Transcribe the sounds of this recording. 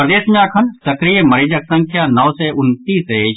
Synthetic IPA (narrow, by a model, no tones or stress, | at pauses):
pɾɐd̪eːʃmaːkʰɐnsɐkɾijemɐɾiːd͡ʒəksɐ̃ŋkʰjaːnɔʋseʔʊnt̪iːse